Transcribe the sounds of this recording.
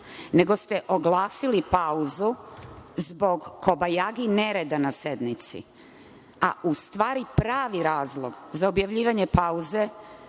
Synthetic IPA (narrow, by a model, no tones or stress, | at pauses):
ne̞ɡo̞st̪e̞ʔo̞ɡlˠaːsilipauzuzbo̞ɡːo̞bajaɡine̞ɾed̪anase̞d̪nit̪sḭ | a̰ʔust̪ʋaːɾipɾaːʋiɾaːzlˠo̞ɡzaobjaʋʎiːʋaɲepauze̞